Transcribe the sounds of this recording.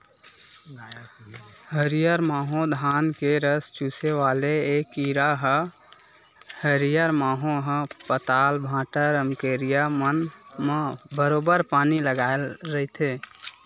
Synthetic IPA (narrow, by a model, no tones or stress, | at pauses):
ɦəɾijəɾmaːɦõd̪ʱaːnkeɾəst͡ʃuseʋaːleeːkiɾaɦə | həɾijəɾmaːɦõɦə̃pət̪aːlbʱãːʈəɾəmkeɾijamənmbəɾoːbəɾpaːniləɡaelɾəɦit̪ʰeː